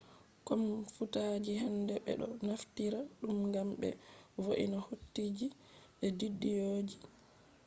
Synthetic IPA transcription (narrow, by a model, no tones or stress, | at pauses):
kɔmfutaːd͡ʒihɛndɛɓɛ̰ɗɔnaftiɾaɗumŋɡamɓɛ̰voʔḭnahotːid͡ʒi | ɓɛdidːijoːd͡ʒi